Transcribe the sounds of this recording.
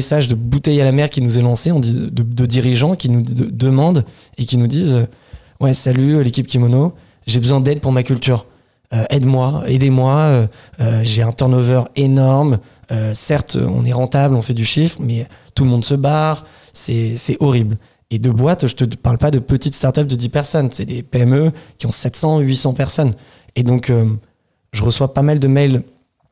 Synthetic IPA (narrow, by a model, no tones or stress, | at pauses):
esaʒd̪əbut̪ɛjalamɛʁkʲinuzɛlɑ̃seɑ̃d̪id̪əd̪əd̪iʁiʒɑ̃kʲinud̪əmɑ̃d̪ | ekʲinud̪izø | wɛsalylekʲip̚kʲimono | ʒebəzwɛ̃d̪ɛd̪̚puʁmakʲylt̪yːʁ | øʔɛd̪mwaed̪emwaø | øʒeɛ̃t̪ɔʁnɔvœʁenɔʁm | øsɛʁt̪ʰø̰ɔ̰̃nɛʁɑ̃t̪ablɔ̃fɛd̪yʃifχmɛt̪ulmɔ̃d̪səbaʁ | sɛsɛʔɔʁibl | ed̪əbwat̪ʒət̪əpaʁlpad̪əpət̪it̪st̪aʁt̪œp̚d̪əd̪ipɛʁsɔnsɛd̪epeɛmøkʲiɔ̃sɛt̪sɑ̃ɥisɑ̃pɛʁsɔn | ed̪ɔ̃kø | ʒəʁəswapamald̪əmɛl